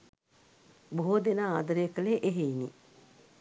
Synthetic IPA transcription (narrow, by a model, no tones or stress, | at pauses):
boɦoːd̪enaːad̪ɐɾejːkəleʔeɦeini